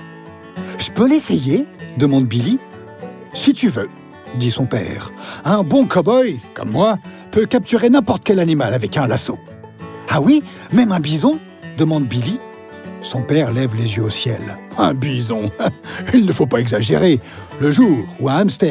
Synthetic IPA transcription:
ʒ̥ə̥pølesɛjed̪əmɑ̃d̪bili | sit̪yvø | d̪isɔ̃pɛ̰ːʁɛ̃bɔ̃kɔbɔjkɔ̰mːwa | pøkap̚t̪yʁenɛ̃pɔʁt̪ə̥kʲɛlanimalavɛkɛ̃laso | awi | mɛmɛ̃bizɔ̃ | d̪əmɑ̃d̪bili | sɔ̃pɛʁlɛvlezjøosjɛ̰lɛ̃bizɔ̃ilnəfopaɛɡzaʒeʁe | ləʒuːʁuɛ̃amst̪ɛ

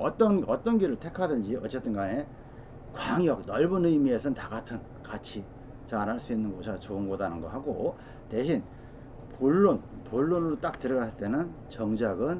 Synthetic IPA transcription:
ʌt͈ʌnʌt͈ʌnɡiɾɯɭtʰe̞kʰadɯnd͡ʑiʌt͡ɕ͈et͈ɯnɡane̞ | kwaŋjʌk̚nʌɭbunɯimie̞sʰʌntaɡatʰɯn | kat͡ɕʰi | t͡ɕaɾɦaɭs͈uinːɯnɡʌsʰat͡ɕoɯnɡodanɯnɡʌɦaɡo | te̞ɕʰin | puɭːonpuɭːonɯɾot͈ak̚tɯɾʌɡasʰɯɭt͈e̞nɯnt͡ɕʌŋd͡ʑaɡɯn

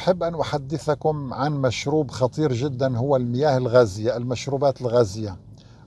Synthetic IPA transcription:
ħɪbːʔanʔʊħad̪ːɪθakʊmʕanmaʃɾuːbxɑt̪ˤiːɾʒɪd̪ːanɦʊwːalmɪjaːhɪlɣaːzɪjaʔlmaʃɾuːbaːt̪ɪlɣaːzɪjːa

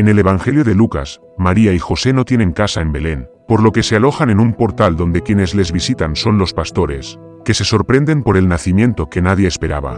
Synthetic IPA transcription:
ene̞le̞β̞aŋxe̞ljo̞ðe̞luka̰s | maɾiaixo̞se̞no̞t̪je̞nẽ̞ŋkasae̞mbe̞le̞n | po̞ɾlo̞ke̞se̞alo̞xane̞numpo̞ɾt̪ald̪o̞nd̪e̞kje̞ne̞zle̞zβisit̪anso̞nlo̞spast̪o̞ɾe̞̰s | ke̞se̞so̞ɾpɾe̞nd̪e̞mpo̞ɾe̞lnaθimjẽ̞nt̪o̞ke̞naðjeːspe̞ɾa̰βa̰

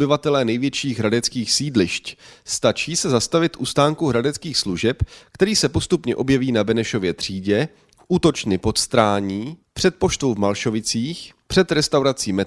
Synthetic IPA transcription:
bɪvat̪ɛlɛːnɛjvjɛt͡ʃiːɣɦɾadɛt͡skiːxsiːdlɪʃcst̪at͡ʃiːsɛzast̪avɪt̪ʔust̪aːŋkuɦɾadɛt͡skiːxsluʒɛpkt̪ɛɾiːsɛpo̞st̪upɲɛʔo̞bjɛviːnabɛnɛʃo̞vjɛt̪r̝̥iːɟɛ | ʔuːt̪o̞t͡ʃnɪpo̞t̪st̪ɾaːɲiːpr̝̥ɛt̪̚po̞ʃt̪owvmalʃo̞vɪt͡siːxpr̥ɛt̪ɾɛst̪awɾat͡siːmɛ

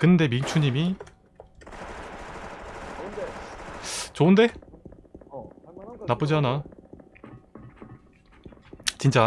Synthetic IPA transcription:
kɯnnde̞miŋt͡ɕʰuɲimi | t͡ɕoɯnde̞ | nap͈ɯd͡ʑiɦana | t͡ɕint͡ɕ͈a

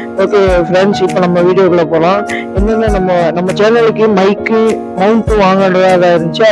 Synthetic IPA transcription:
oːkːefɾɛɳɖsɪpːoːnɐmːɐʋiːɽɪjoːɣɐɭɐpoːlãː | ɛnːɐnːɯnɐmːɐnɐmːɐt͡ʃɛnɐlɯkːɯmɐɪkːɯ | mɐʊɳʈːɯʋaːŋɡɐɳɐjaːðaːɪɾɯnd̪ɯt͡ʃːa

